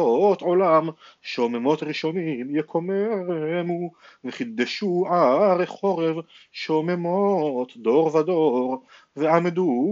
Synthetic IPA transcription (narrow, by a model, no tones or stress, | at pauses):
oot̪ʕolamʃeomemo̞t̪ʁiʃo̞nimjekʰomeʁmuveχid̪eʃuaʁeχo̞ʁevʃomemot̪d̪o̞ʁvad̪o̞ʁ | veamd̪u